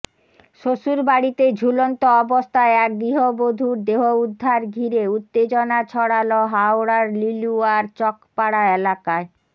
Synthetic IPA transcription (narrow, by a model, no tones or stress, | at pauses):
ʃoʃuɾbaɽit̪ed͡ʑʱulont̪oɔbost̪ʰaeak̚d̪ɾiɦobod̪ʱuɾd̪eɦoud̪ʱːaɾɡʱiɾeut̪ːed͡ʑonat͡ɕʰɔɽaloɦaoɾaɾliluaɾt͡ɕɔkpaɽaelakae